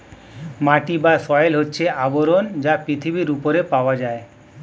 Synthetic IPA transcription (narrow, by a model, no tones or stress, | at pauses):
maʈibasɔjelɦotːɕʰeaboɾond͡ʑapɾit̪ʰibiɾupoɾepaoad͡ʑae